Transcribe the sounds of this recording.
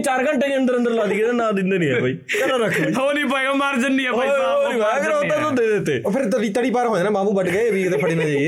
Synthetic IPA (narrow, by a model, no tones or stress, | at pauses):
t͡ʃaːɾɡə̃ɳʈeːd͡ʒə̃nd̪əɾə̃nd̪əɾlaːd̪iːked̪anãːd̪ɪnd̪eːnĩɦɛːpaːiː | kɛnãɾək̪ʰioːnĩːpaeːɡaːmaːɾd͡ʒənːĩːɛːa | onĩːpaəɡəɾoãt̪od̪eːd̪et̪ːeːpʰɪɾt̪ʋiːt̪əɽiːpaːɾɦoːeːnãːmaːmuːbəɖɡəeʋiːkt̪eːpʰəɽiːnaːt͡ʃaːieː